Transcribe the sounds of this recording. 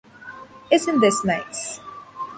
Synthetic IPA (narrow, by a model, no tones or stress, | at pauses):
ɪzɨ̃nðɪsnaɪts